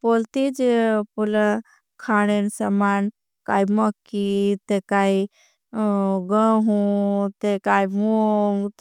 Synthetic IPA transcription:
polt̪id͡ʒepulə | kʰaɽensəman | kajməkːit̪ekaji | ɡəɦut̪ekaimuŋɡt̪

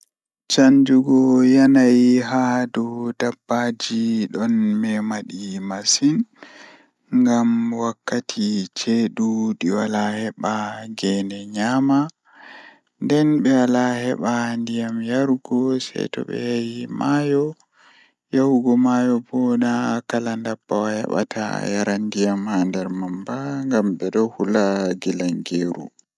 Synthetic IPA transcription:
t͡ʃaɲd͡ʒuɡɔjanajɦadɔdabːad͡ʒiɗɔnmɛmaɗimasin | ŋɡamwakːatʰit͡ʃeɗuɗiwalahɛɓaɡɛndɛɲama | ndɛnɓɛwalahɛɓandijamjaɾɡɔsɛ̰jtɔ̰ɓɛ̰hajimʔajɔ | jawuɡɔmajɔbɔnakalandabːawahɛ̰ɓa̰tʰa̰jaɾandijamhandɛɾmambaŋɡamɓɛɗɔhulaɡilaŋɡeːɾṵ

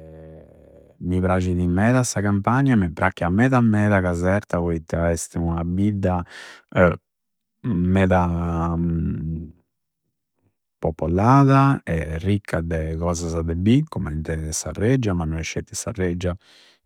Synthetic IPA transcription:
mipɾat͡ʃiðimɛːðasakampaɲamɛpːɾakːiamɛðamːɛːðakazɛɾt̪avɔit̪ːaɛst̪iunabid̪ːa | mɛːða | popːolːaːðaɛrːikʰːad̪ɛkɔːzazad̪ɛbikomɛnt̪ɛsa̰rːɛd͡ʒːamanːɔnɛʃːet̪ːisa̰rːɛd͡ʒːa

